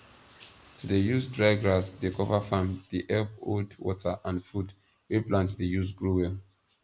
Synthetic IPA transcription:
tʰudejusdɹaɪɡɹasdekɔvafãmdiʔɛpodwɔ̰təʔãnfud | wiplãntdəjus̬ɡɹuwɛ

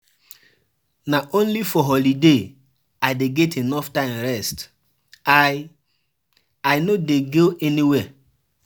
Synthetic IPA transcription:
naʔõnlifɔɦɔlide | aɪdeɡɛtʰenɔftãɪ̃mɹɛst | aj | aɪnodeɡoʔɛniwɛ

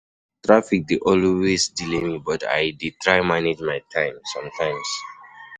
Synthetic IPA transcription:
tɹafik̚deʔɔlwesdilemibɔta̰jditɹajmaned͡ʒmajtʰãɪ̃msɔ̃mtʰãɪ̃ms

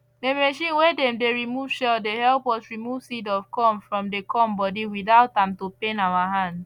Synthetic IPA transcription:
demeʃĩnwedɛ̃mdeɹimuvʃɛldehɛlpɔsɹimuvsidɔv̥kɔ̃mfɹɔ̃mdekʰɔmbɔdiwiðaʊtãmtopẽnawaɦãnd

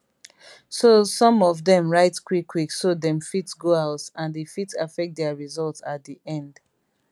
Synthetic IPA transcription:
sosɔ̃mɔvðɛ̃mɹaɪtkwikʰːwiksodɛ̃mfitsɡoaʊtãnðefitafɛk̚t̚dɛəɹizɔltsat̚diʔɛ̃nd̥

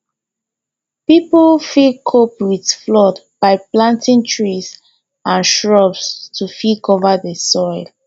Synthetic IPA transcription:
piplfikʰopwidflɔdb̥aɪplãntĩŋtʰɹis | ãnʃɹɔbstʰufikʰɔvadəsɔɪl

